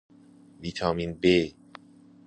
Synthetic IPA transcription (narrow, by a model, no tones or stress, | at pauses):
vit̪ʰaminbe